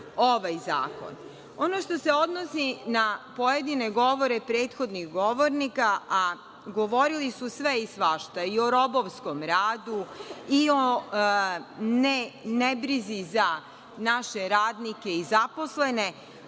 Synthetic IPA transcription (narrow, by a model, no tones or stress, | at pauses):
oʋajza̰ːko̰n | o̞noʃt̪o̞se̞o̞d̪no̞sinapo̞je̞d̪ine̞ɡo̞ʋo̞ɾe̞pɾe̞ːt̪xo̞d̪niɣɡo̞ʋo̞ɾnikaʔa | ɡo̞ʋo̞ɾilisusʋe̞isʋaʃt̪aio̞ɾo̞boʋsko̞mɾaːd̪uio | nenebɾiziza | naʃe̞ɾaːd̪nike̞izapo̞sle̞ne̞